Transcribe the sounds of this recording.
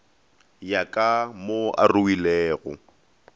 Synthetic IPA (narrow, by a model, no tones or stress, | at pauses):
jakʼamoa̰ruwilɛːɣʊ̰